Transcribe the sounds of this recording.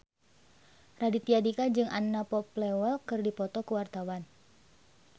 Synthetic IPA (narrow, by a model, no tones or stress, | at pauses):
radit̪iadikad͡ʒɨŋanːapɔplɛwɛlkɨrdipɔt̪ɔkuwart̪awan